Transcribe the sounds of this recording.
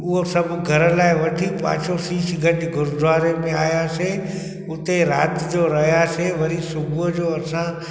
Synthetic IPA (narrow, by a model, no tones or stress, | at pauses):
ʊɦosəbɡʱəɾlaːiʋəʈʰipa̰ːt͡ʃʰosiːsɡʱəʈɡʱʊɾd̪ʱʋaːɾemẽaːjase | ʊt̪eɾa̰ːt̪d͡ʒoːɾɐɦjaːseʋɐɾisʊbd͡ʒoːɐsã